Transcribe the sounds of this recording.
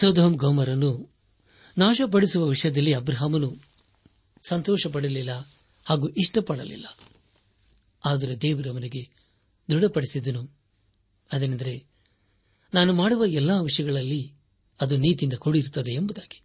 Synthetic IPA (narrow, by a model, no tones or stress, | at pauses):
sɐːd̪oɦɐmɡɐmɐɾɐnːu | naːʃɐp̬ɐɽisuʋɐʋiʂɐjɐd̪ɐlːiɐbɾɐɦaːmɐnu | sɐnt̪ɔːʃɐp̬ɐɽɐlilːɐ | haːɡuːʔiʂʈɐpɐɽɐ̰lḭlːɐ | aːd̪ɐɾed̪eːʋɐɾɐʋɐniɡe̞ | d̪uɽɐpɐɽisid̪ɐnu | ɐd̪eːnɐnd̪ɐɾe̞ | naːnumaːɽuʋɐɛlːaːʋiʂɐjɐɡɐɭɐlːi | ɐd̪uniːt̪̬ind̪ɐkoɽiɾt̪ːɐd̪e̞ːmbud̪aːɡi̥